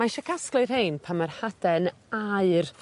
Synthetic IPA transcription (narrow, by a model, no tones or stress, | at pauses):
maʃɛkʰasklˠɨr̥hejnpʰamarhad̥ɛnaɨr